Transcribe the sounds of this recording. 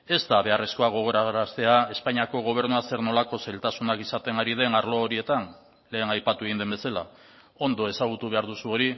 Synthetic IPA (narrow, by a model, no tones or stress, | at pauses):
e̞zt̪aβe̞are̞sko̞aɣ̞o̞ɣ̞o̞ɾaɾast̪e̞ae̞spaɲiako̞ɣ̞o̞β̞e̞ɾnuase̞ɾno̞lako̞salt̪asunakisat̪e̞ŋaɾið̞e̞naɾlo̞ːɾie̞t̪an | le̞ːnajpat̪ueɣind̪embe̞sala | o̞nd̪o̞e̞saɣ̞ut̪uβ̞e̞aɾðusuo̞ɾi